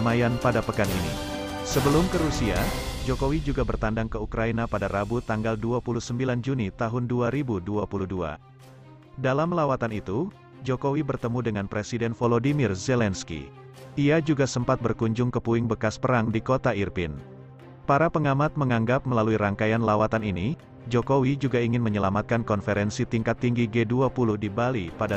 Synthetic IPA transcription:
majanpadapəkaninḭ | səbəlʊmkəɾusiad͡ʒokowid͡ʒuɡabərt̪andaŋkəukɾainapadaɾabut̪aŋɡalduapulusəmbiland͡ʒunit̪aɦʊnduaɾibuduapuludua̰ | dalamlawat̪anit̪u | d͡ʒokowibərt̪əmudəŋanpɾesidɛnfolodimirzɛlɛnskḭ | iad͡ʒuɡasəmpat̪̚bərkuɲd͡ʒʊŋkəpuɪŋbəkaspəɾaŋdikot̪airpɪn | paɾapəŋamat̪̚məŋaŋɡap̚məlaluiɾaŋkajanlawat̪anini | d͡ʒokowid͡ʒuɡaiŋɪnməɲəlamat̪̚kankɔnfeɾɛnsit̪iŋkat̪ːiŋɡiɡeduapuluhdibalipada

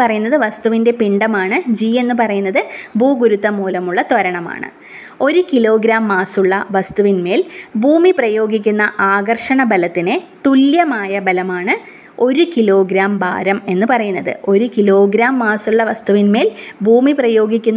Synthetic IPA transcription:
pɐrɐjunːɐðɨʋɐst̪uʋinde̞piɳɖɐmaːɳɨd͡ʑiːe̞nːɨp̬ɐrɐjunːɐðɨbʱuːɡuɾut̪ːɐmuːlɐmuɭːɐt̪ʋɐɾɐɳɐma̰ːɳɨ̰ | o̞ɾukilo̞ːɡɾaːmːaːsuɭːɐʋɐst̪uʋinme̞ːlbʱuːmiprɐjo̞ːɡikʲːunːɐʔaːɡɐrʂɐɳɐbɐlɐt̪ːinet̪uljɐmaːjɐbɐlɐmaːɳɨ | o̞ɾukilo̞ːɡɾaːmba̰ːɾɐme̞nːɨpɐrɐjunːɐðɨ̰o̞ɾukilo̞ːɡɾaːmːaːsuɭːɐʋɐst̪uʋinme̞ːlbʱuːmiprɐjo̞ːɡikʲːunː

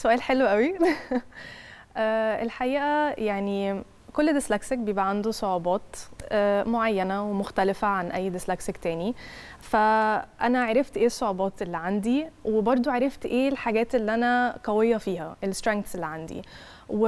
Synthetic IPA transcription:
soʔæːlħelwʔæwi | ʔæːelħaʔiːʔæjaʕni | kolːd̪eslæksek̚bejebʔæʕand̪osˤoʕubɑːt̪ʔæːmoʕajːænæwemoxt̪ælefæʕanʔæjːd̪eslæksekt̪æːnifæʔænæʕaɾˤeft̪ʔeːsˤːoʕubɑːt̪ʔelːiʕand̪iwebɑɾˤd̪ˤoʕeɾˤeft̪ʔeːlħaɡæːt̪elːiʔænæqɑwejːɑfiːhæʔelst̪ɾæŋk̚t̪selːiʕand̪ḭ | we

